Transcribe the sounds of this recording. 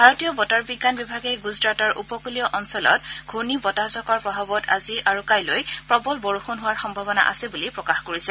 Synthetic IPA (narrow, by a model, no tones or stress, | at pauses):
bʱaɹɔtijɔbɔtaɹbiɡːanbibʱaɡejɡuzɹatɔɹʔupɔkulijɔʔɔnsɔlɔ̰tɡʱuɹnibɔtazɔkɔɹpɹɔbʱabɔta̰ziʔaɹukajlojpɹɔbɔlbɔɹuxunɦʊwaɹxɔmbʱabɔna̰ʔa̰sɛbulipɹɔkaxkoɹisɛ